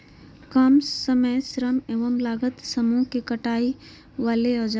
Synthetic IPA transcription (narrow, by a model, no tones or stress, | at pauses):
kɐmsəməjsɾəmeːʋəmlaːɡət̪səmũkikɐʈaːi | ʋaːleɔːd͡ʒ